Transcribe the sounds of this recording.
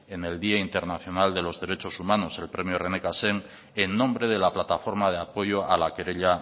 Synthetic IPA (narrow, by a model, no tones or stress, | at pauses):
e̞ne̞ld̪iaint̪e̞ɾnaθjo̞nald̪e̞lo̞zðe̞ɾe̞t͡ʃo̞sumanose̞lpɾe̞mjore̞nekaseŋ | enːõ̞mbɾe̞ð̞elaplat̪afo̞ɾmað̞eapo̞jo̞ʔalakeɾeʎa